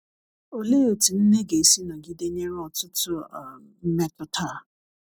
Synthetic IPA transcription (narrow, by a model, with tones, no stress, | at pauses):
o˨le˦o˨ti˨n̩˦ne˦ɡe˨si˦nɔ˨ɡi˦de˦ɲe˦ɾɔ˨tʊ˦tʊ˦˨ | m̩˦me˦tʊ˦tʰa˦˨